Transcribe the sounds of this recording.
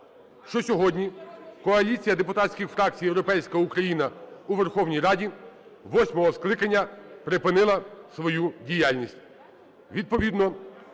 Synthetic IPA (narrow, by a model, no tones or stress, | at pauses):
ʃt͡ʃɔsʲɔɦɔdʲnʲikɔɐlʲit͡sʲijɐd̪epʊt̪ɑtʲsʲkʲɪxfɾɑk̚t͡sʲijewɾɔpɛjsʲkɐukɾɐjinɐuʋerxɔwnʲijɾɑdʲi | ʋɔsʲmɔɦɔsklˠɪkɐnʲːɐpɾepɪnɪlˠɐsʋɔjudʲijalʲnʲisʲtʲ | ʋʲid̪̚pɔʋʲid̪nɔ